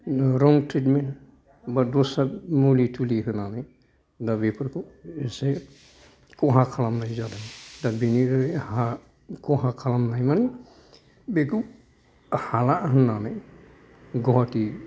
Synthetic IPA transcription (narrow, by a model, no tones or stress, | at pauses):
ɾɔŋtʰɾitme | badɔsamulitʰuliɦɯnana | dabepʰəɾkɔese | kɔɦãkʰalamnajzadajdabeniɾha | kɔɦãkʰalamnajmani | beku | halaʔɦɯnanaj | ɡɔɦati